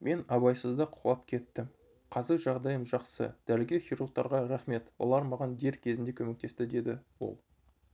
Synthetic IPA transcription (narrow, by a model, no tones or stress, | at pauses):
me̞nɑbɑjsəzd̪ɑqʰʊ̥ʁlˠɑp̚kʲʰe̞t̪ːɪm | qʰɑzɪɾʒɑʁd̪ɑjəmʒɑqsə̰d̪̥æɾɪɡʲe̞χijɾur̚t̪ɑɾʁɑɾæχme̞t̪wo̞̰lˠɑɾmɑʁɑnd̪e̞ɾkʲʰe̞zɪnd̪e̞kʰɵme̞k̚t̪e̞st̪ɪd̪e̞d̪ɪwo̞̰lˠ